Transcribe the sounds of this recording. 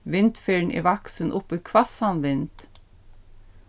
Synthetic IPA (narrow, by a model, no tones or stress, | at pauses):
ʋɪnt̪feːɳʔḭːʋɑksənʔʊpikʰʋɑsɑnʋɪnt̪